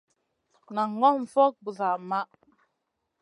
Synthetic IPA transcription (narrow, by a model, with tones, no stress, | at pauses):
na˨ŋ˦ɡɔ˦ɱ̩˨fɔ˦k̚bu˨za˨ma˦ʔ